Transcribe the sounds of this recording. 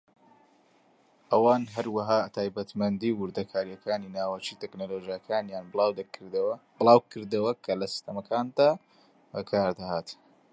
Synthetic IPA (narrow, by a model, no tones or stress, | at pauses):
ʔɐwaːnɦɐɾwɐɦaːt̪ʰaːjbɐt̪mɐnd̪iwʊɾd̪ɐkʰaːɾjɐkʰaːninaːwat͡ʃiːt̪eknolod͡ʒijakʰaːnjaːnbwd̪ | bɨlˠaːwkʰɨɾd̪ɐwɐkʰɐlɐsi̥st̪ɐmɐkʰaːnd̪aː | bɐkʰaːɾd̪ɐhaːt̪